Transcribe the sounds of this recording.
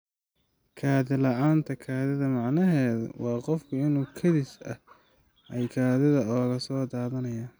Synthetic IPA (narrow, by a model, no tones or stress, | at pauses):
kʰaːðɪlɐʔaːnt̪ʰɐkʰaːðɪðɐmɑʕnɐɦɛːðɐ̰wɑːqɔfkʰʊɪnuːkʰɐðɪsɐ̰ | ʔɛjkʰaːðɪðɐɔːɣɐsɔːd̪aːðɐnɐjaː